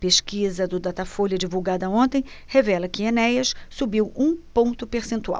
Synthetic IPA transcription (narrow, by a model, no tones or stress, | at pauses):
peʃkizɐd̪ʊd̪at̪afolɐd͡ʒivuwɡad̪ɐõnt̪ẽj̃ | hevɛlɐkɪenɛjɐssubiwũpõnt̪ʊpeɾsẽnt̪ua̰w